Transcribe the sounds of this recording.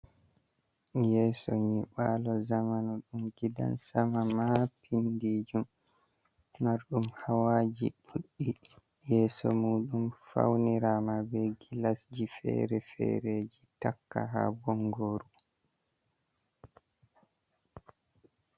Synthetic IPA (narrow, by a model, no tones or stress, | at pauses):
jɛːsɔɲiɓalɔzamanuɗumɡida̰nsamamapʰindiːd͡ʒum | aɾɗumhawad͡ʒḭɗuɗːi | jɛːsɔmuːɗumfa̰wniɾamabɛɡilasd͡ʒifɛ̰ːɾɛfɛ̰ɾed͡ʒitakːaɦa̰bɔŋɡoɾu